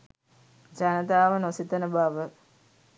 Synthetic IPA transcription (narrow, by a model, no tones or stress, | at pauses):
d͡ʒanət̪aːʋənosit̪ənəbaʋə